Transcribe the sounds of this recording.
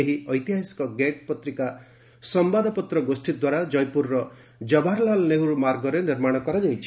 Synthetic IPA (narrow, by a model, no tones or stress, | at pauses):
eɦiɔjt̪iɦasi̥kɔɡeʈ̚pɔt̪ɾika | sɔmbad̪ʱɔpɔt̪ɾɔɡosʈid̪waɾad͡ʒɔjpuɾɾɔ | d͡ʒɔbʱaɾlalneɦuɾumaɾɡɔɾeniɾmaɽ̃ɔkɔɾad͡ʒajt͡ʃʰi